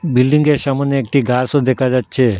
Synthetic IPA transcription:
bilɖiŋɡeɾʃamoneek̚ʈiɡaɾsod̪ekʰad͡ʑatːɕʰe

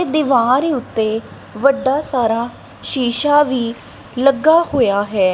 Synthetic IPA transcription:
ed̪ɪʋãːɾeːʊt̪ːeː | ʋəɖːaːsaːɾaː | ʃiːʃaːʋiː | ləɡːaːhoːjaːɦɛː

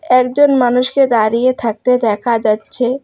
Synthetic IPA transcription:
ɛkd͡ʑonmanuʃked̪aɾijet̪ʰak̚t̪ed̪ɛkʰad͡ʑatːɕʰe

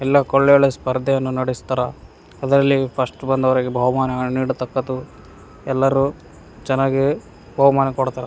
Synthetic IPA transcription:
ɛlːɐkoɭːɛɐɭespɐɾd̪ʱːɐjɐnːunɐɽist̪aːɾɐ | ɐd̪ɐɾɐlːipʰɐʂʈbɐnd̪ɐʋɐɾiɡebʱɐʋɐmaːnɐɡɐɭniːɽut̪ɐkːɐd̪u | ɛlːɐɾu | d͡ʒɐnaːɡe | bʱɐʋɐmaːnɐkɔɽt̪aːɾɐ

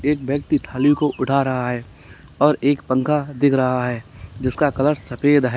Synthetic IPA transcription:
eːk̚bək̚t̪it̪ʰaːlijokoʔʊʈaɾɐɦaɦɛː | ɔːɾeːkpə̃ŋkad̪ɪkʰɾɐɦaɦɛːd͡ʒɪskakɐləɾsɐpeːd̪ɦɛ

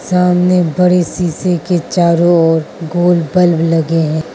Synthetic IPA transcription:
saːmnebɐɽesiːseket͡ʃaːɾõɔːɾɡoːlbɐlblɐɡeɦɛ̃ː

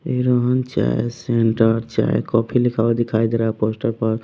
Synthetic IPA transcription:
eɾɔɦənt͡ʃa̰eseɳʈəɾt͡ʃa̰ḛkɔpʰilikʰad̪ikʰajd̪eɾaposʈəɾpəɾ

